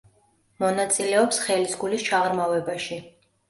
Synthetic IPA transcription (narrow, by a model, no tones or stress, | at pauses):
mɔnat̪sʼilɛɔpsχɛlisɡulist͡ʃʰaʁɾmavɛbaʃi